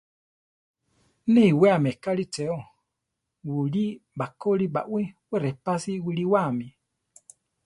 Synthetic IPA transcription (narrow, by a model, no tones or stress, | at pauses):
neiwɛamɛkalit͡ʃɛɔ | wulibakoliba̰ʔwewɛɾɛpasiwuliwami